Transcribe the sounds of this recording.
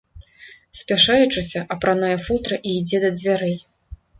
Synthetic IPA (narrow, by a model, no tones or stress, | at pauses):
sʲpʲaʂajut͡ʂɨsʲɐʔɐpɾanajɛfut̪ɾɐʔiːd͡zʲɛd̪ɐd͡zʲvʲaɾɛj